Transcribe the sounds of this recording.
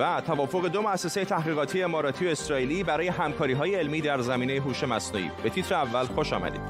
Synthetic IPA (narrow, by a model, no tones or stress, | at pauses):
æt̪ʰævɒːfo̞ɣe̞d̪o̞moæsːe̞se̞jet̪ʰæhʁiːɣɒːt̪ʰijeemɒːɾɒːt̪ʰioe̞sɾɒːiːliːbæɾɒːje̞ɦæmkʰɒːɾiːɦɒːjeelmiːd̪æɾzæmiːne̞jeɦuːʃe̞mæsnṵḭbe̞t̪ʰit̪ʰɾeævːælxo̞ʃɒ̰mæ̰d̪ḭːd̪̥